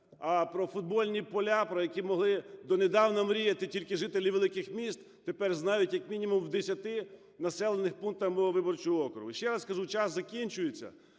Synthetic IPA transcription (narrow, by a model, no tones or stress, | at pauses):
ɐpɾɔfʊd̪̚bɔlʲnʲipɔlʲapɾɔjɐkʲimɔɦlˠɪd̪ɔned̪ɑwnɐmɾʲijɐt̪ɪtʲilʲkɪʒɪt̪elʲiʋelˠɪkɪxmʲist̪ | t̪epɛrznɑjʊtʲjɐkmʲinʲimʊmwd̪esʲɐt̪ɪ | nɐsɛlˠenɪxpuŋk̚t̪ɐmɔɔʋɪbɔrt͡ʃʊjɔɔkɾʊɦʊʃt͡ʃɛɾɐskɐʒut͡ʃɑszɐkʲinʲt͡ʃʊjet͡sʲːɐ̰